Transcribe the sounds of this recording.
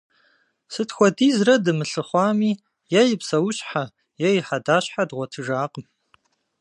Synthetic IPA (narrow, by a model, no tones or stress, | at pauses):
sɨtxʷɔdiːzrɐdɨmɨɬɨχʷɑːmiː | jɛjɪpsɐwʊɕʼħa | jɛjɪħadaːɕħadʁʷɔtʰɨʒaːqəm